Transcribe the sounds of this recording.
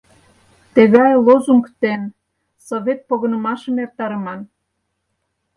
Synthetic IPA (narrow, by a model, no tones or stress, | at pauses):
t̪eɣɑjlozuŋkt̪en | soβʲet̪̚poɣə̆nə̆mɑʃə̆mert̪ɑɾəmɑn